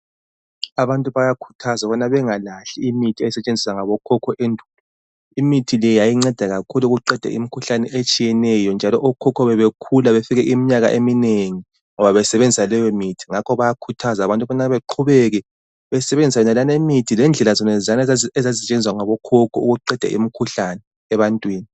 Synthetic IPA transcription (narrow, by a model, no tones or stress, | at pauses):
aβantʼuβajakʰu̥tʰazaβɔnaβɛŋalaɬiimitʰiɛsɛt͡ʃʼend͡zʱisaŋaβɔkʰɔkʰɔʔendʱuːlɔ | imitʰilɛjajiŋ͡ǀɛd̥ʱaɣakʰuluɣuǃɛd̥ʱɛ̰ʔḭmikʰuɬanɛʔet͡ʃʼijɛnɛjɔnd͡ʒʱalɔʔɔkʰɔkʰɔβɛβekʰulaβefiɣɛʔimiɲaɣa̰ʔemineŋi | ŋɔβaβɛsɛβend͡zʱisalɛjɔmitʰi̥ŋakʰɔβajakʰutʰazaβantʼuɔnaβeǃʰuβɛɣɛ | βɛsɛβend͡zʱisaɛnalanemitʰilɛnd͡ɮʱɛlazɔnɛzanaɛzaziɛt͡ʃʼend͡ziwaŋaβɔkʰɔkʰɔuɣuǃɛd̥ʱa̰ʔḭmikʰuɬanɛː | βantʼwiːni